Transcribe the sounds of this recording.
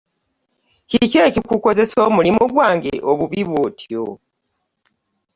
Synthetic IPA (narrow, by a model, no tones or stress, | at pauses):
kicekikuko̞ze̞soːmulimoɡwaːŋɡḛʔoβuβiβotʰio̰